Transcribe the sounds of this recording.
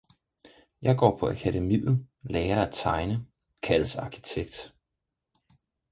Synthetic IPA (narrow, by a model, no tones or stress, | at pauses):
jɑ̈ɪɡ̥ɒ̰ːpʰɒ̽ʔækʰædemḭːð̩ˠlɛːɐæt͡sʰɑ̈ɪnə | kʰælsɑ̈kʰi̥t͡sʰeɡ̥̚d̥